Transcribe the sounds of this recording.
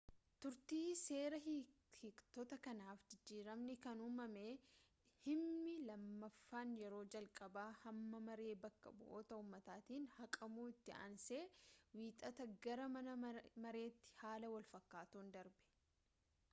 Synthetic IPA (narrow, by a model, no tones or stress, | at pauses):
t̪ʊɾt̪iːse̞ːɾɐɦ | hɪkt̪ɔt̪ɐkɐnaːfd͡ʒɪd͡ʒːiːɾɐmnɪkɐnuːmɐmeː | hɪmnːɪlɐmːɐfːaːnjɛɾo̞ːd͡ʒɐlkʼɐbaːhɐmːɐmɐɾe̞ːbɐkːɐ̰bʊ̰ʔoːt̪ɐuːmːɐt̪aːt̪iːnhɐkʼɐmuːɪt̪ːɪɐ̰nse̞ːwiːt̪ʼɐt̪ɐɡɐɾɐmɐɐmɐɾe̞ːt̪ːɪ̥haːlɐwɐlfɐkːaːt̪uːnd̪ɐɾbɛ̥